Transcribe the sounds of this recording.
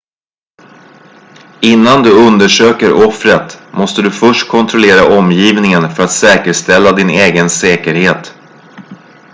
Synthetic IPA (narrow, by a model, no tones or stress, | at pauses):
ɪnːand̪ɵɵnd̪əʂøːkəɾʔɔfɾət̪mɔst̪əd̪ɵfœʂʈkʰɔnt̪ʰɾɔleːɾaʔɔmjiːvnɪŋənfœɾat̪sɛːkəʂt̪ɛlːad̪ɪneːɡənsɛːkəɾheːt̪